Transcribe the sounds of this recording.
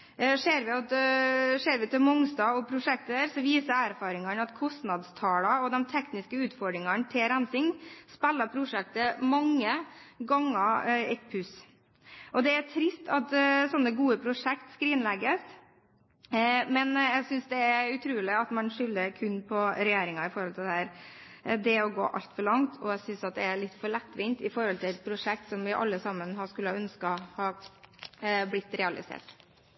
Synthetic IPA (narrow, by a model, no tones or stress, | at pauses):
ʂeːɾʋɪɑt̪ʂeːɾʋɪt̪ʰɪlmɔŋst̪ɑːɔpʰɾʊʂɛk̚t̪əəɾsɔʋiːsəæɾfɑːɾɪŋəɳɑt̪kʰɔst̪nɑd̪st̪ʰɑːlɑɔd̪ɛmt̪ʰɛknɪskəʉːt̪fɔɖɾɪŋənt̪ʰɪlɾænsɪŋspɛlːəpʰɾʊʂɛk̚t̪əmɑŋːəɡɑŋːəɛt̪pʰʉs | ʔɔd̪ɛætʰɾɪst̪ʰɑt̪sɔnːəɡuːəpʰɾʊʂɛkt̪skɾiːnlɛɡəs | mɛnjæsʏnsd̪ɛæɾʉt̪ʰɾʉːlɪɑt̪mɑnʂʏlːəɾkʰʉnːpʰɔɾɛjeːɾɪŋɑɪfɔɾhɔlt̪ʰɪld̪ɛhæːɾ | d̪ɛɔɡo̰ːʔɑ̰lt̪fɔɭɑŋt̪ʰɔæsʏnsɑt̪̚d̪ɛæɭɪt̪ːfɔɭɛt̪ːʋɪnt̪ɪfɔɾhɔlt̪ʰɪlɛt̪̚pʰɾʊʂɛk̚t̪sɔmʋɪʔɑ̰lːəsɑmːənhɑskʉlːəhɑœnskɑhɑː | blɪt̪ːɾɛɑlɪ̰sḛːʈ